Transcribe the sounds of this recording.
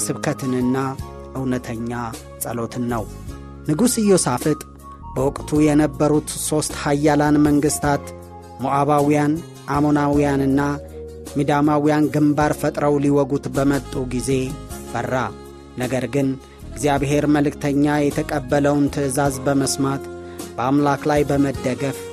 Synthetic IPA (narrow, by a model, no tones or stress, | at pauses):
sɨβkʰət̪ʰɨnɨnːa | ʔɨwnət̪ʰəɲːa | sʼə̰lot̪ʰɨnːəw | nɨɡusɨjːosafɨt̪ʼ | bəwʊkʼt̪ʰujɛnəbːəɾut̪so̞st̪hajːalanməŋɡɨst̪ʰat̪ | moʔaβawijan | ʔamo̞nawijanɨnːa | mid̪amawijanɡɨmbaɾfət̪ʼɾəwliwɔɡut̪bəmət̪ʼːuɡize̞b̥ərːa | nəɡəɾɡɨn | ɪɡzijaβɦe̞ɾməlɨkt̪ʰəɲːajɛt̪ʰəkʼəbːələwnt̪ʰɨɨzazbəməsmat̪ | b̥əamlaklajbəməd̪ːəɡəf